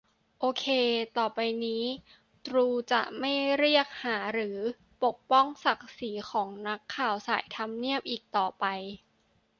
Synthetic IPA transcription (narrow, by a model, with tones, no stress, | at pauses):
ʔoː˧kʰeː˧t̪ɔː˨˩pa˧jniː˦˥ | t̪ɾuː˧t͡ɕa̰˨˩ʔma˥˩jɾi˥˩ək̚haː˩˦ɾɯː˩˦ | po˨˩k̚pɔ˥˩ŋsa˨˩k̚siː˩˦xʰɔː˩˦ŋna˦˥kʰːaː˨˩wsaː˩˦jt̪ʰa˧mni˥˩əp̚ʔiː˨˩k̚t̪ɔː˨˩pa˧j